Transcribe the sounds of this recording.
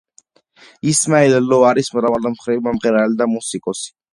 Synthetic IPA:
ismaɛlɛlɔaɾismɾavalɛmχɾivmamʁɛɾalid̪amusikʼɔsi̥

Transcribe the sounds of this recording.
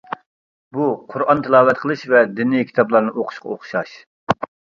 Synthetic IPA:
buqʰʊɾɑnt̪ʰɨlˠɑːwɛt̪qʰəlˠɨʃvɛd̪ɪnijkʲʰi̥t̪ʰɑblˠɑɾnɨʔoqʰʊ̥ʃqʰɑ̰oχʃɑʃ

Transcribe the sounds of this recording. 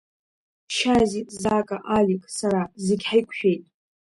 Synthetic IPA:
ʃazizaːkʼaʔalʲikʼsaɾazɪɡʲħajkʷʰʃᶣejtʼ

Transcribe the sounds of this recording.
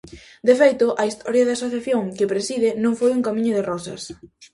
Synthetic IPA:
d̪efejt̪ʊʔɐist̪ʰɔɾjɐðɪasoθjaθjoŋkɪpɾesiðɪnõŋfojuŋkamĩɲʊðerɔsɐ̰s

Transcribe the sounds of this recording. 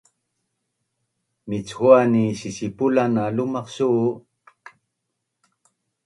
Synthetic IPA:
mit͡shuanisisipulanalumɑqsuʔː

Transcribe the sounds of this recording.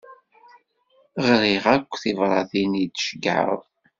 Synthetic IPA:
ʁɾiʁækʷːθivɾˤɑðinid̪ʃəɡʕə̰ðˤ

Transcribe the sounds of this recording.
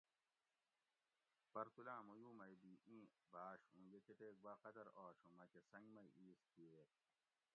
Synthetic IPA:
pɐɾt̪ulãːmujuːmɐjb̪iːʔĩːbʱaːɕũːɡekeʈ̪eːk̚bɐqɐd̪ɐɾoːɕumɐkesɐ̃ŋɡmɐjiːskieːt̪

